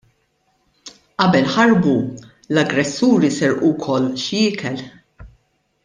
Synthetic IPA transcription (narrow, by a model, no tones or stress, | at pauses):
ʔɐbɛlħɐɾbu | lɐɡɾɛsːuːɾisɛɾʔuwkʰɔlːʃjɪːkʰɛl